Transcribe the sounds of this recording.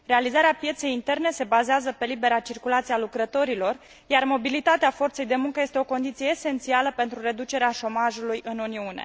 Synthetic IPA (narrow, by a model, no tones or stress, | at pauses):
realizaɾeapje̞t̪se̞jint̪e̞rne̞se̞bazeazəpe̞libe̞ɾat͡ʃirkulat̪sialukɾət̪o̞ɾilo̞r | jarmo̞bilit̪at̪eafo̞rt̪se̞jd̪e̞muŋkəje̞st̪eo̞ko̞nd̪it̪sijeːse̞nt̪sialəpe̞nt̪ɾure̞d̪ut͡ʃe̞ɾeaʃo̞maʒulujɨnuniunḛ